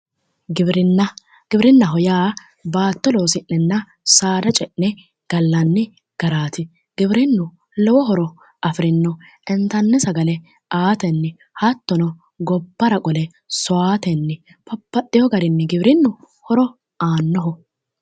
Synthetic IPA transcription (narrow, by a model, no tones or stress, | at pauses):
ɡɪbɾɪnːɐ | ɡ̥ɪbɾɪnːɐɦɔjaː | baːt̪ːɔloːsɪnːɛnːɐ | saːd̪ɐt͡ʃʼɛʔnɛ | ɡ̥ɐlːɐnːɪ | ɡ̥ɐɾaːt̪ɪ | ɡ̥ɪbɾɪnːʊ | lɔwɔɦɔɾɔ | ʔɐfɾɪnːɔ | ɛnt̪ɐnːɛsɐɡɐlɛ | ʔaːt̪ɛnːɪ | hɐt̪ːɔnɔ | ɡɔbːɐɾɐkʼɔlɛ | sɔaːt̪ɛnːɪ | pɐpːɐɗːɪjɔɡɐɾɪnːɪɡɪbɾɪnːʊ | hɔɾɔ | aːnːɔɦɔ